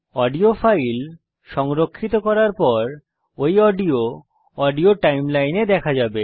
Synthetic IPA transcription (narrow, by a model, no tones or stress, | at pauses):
ɔɖiofʰajl | ʃɔŋɾokʰːit̪okɔɾaɾpɔɾ | ojɔɖio | ɔɖioʈajmlajned̪ɛkʰad͡ʑabe